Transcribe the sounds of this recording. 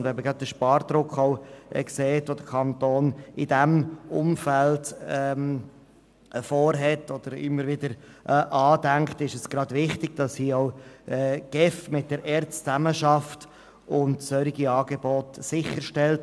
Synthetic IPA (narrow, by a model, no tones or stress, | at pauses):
ndʋɛməɡɾɑd̚d̪əʃpɑːɾd̪̥ɾʊkχɔʊʔɛ̰kseːtʋod̥̪əkʰɑnt̪oːnɪdæmʔʊ̰mfældɛm | fɔːɾɦɛtɔd̥̪əɾɪ̰mːəɾvɪdəɾʔʔɑːdæŋktɪʃəsɡ̥ɾɑd̥vɪχtɪɡ̥̚d̥ɑshiːɔʊː | ɡ̥ɛfmɪt̚d̥əɾʔɛːɾtst͡sæməʃɑft | ʊntsœɾiɡiɑːɡ̥ebɔtsɪχəɾʃtɛlt